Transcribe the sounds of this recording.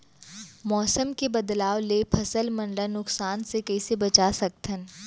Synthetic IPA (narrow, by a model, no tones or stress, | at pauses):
mɔːsəmkebɐd̪laːwleːpʰɐsəlmɐ̃ɳlanʊksaːnsekɛːsebɐt͡ʃasɐk̚t̪ʰən